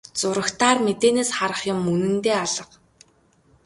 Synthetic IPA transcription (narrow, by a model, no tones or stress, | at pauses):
t͡sʊɾə̆xt̪aːrmet̪eːneːsχaɾə̆χjʊ̆mːɵnɘ̆nt̪eːaɮə̆q